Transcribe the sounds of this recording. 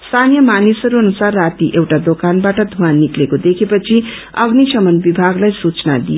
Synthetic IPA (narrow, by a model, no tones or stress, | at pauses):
st̪ʰanijʌmanisʌɾuʌnusarːat̪iʔewʈad̪okanbaʈʌd̪ʱuanːiklekod̪ekʰepʌt͡sʰi | ʌɡnisʌmʌnbibʱaɡlajsut͡sna̰d̪ijo